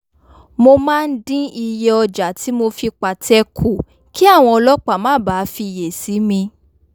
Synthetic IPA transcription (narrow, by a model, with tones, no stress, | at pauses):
mo˧mãː˦˧n̩˦dĩ˦i˧jɛ˧ɔ˧d͡ʒa˨ti˨˦mo˧fi˧k͡pa˨tʰɛ˦kʰu˨ | ki˦a˦˨w̃ɔ̃˧ɔ˧lɔ˦k͡pa˦˨mãː˨˦˨baː˨˦fi˧je˨si˨˦mĩ˧